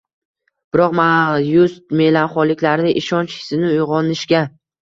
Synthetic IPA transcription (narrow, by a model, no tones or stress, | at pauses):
b̥ɪɾɒqmajʊst̪me̞lanχɒlɪkʲlaɾnɪʔɪʃɒnt͡ʃɪ̥sɪnɪʊjʁɒnɪʃkʲa